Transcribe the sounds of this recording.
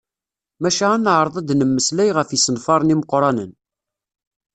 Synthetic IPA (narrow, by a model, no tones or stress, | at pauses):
mæʃæænːəʕɾˤəðˤɑd̪nəmːəslæjʁəfjisənfɑɾˤniməqːɾˤɑnən